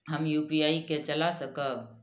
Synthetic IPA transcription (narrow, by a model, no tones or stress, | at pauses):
ɦəmjupiaiket͡ʃəlasəkə